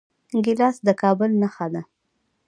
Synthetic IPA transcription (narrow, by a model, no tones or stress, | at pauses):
ɡɪlɑsd̪əkɑbʊlnaxad̪a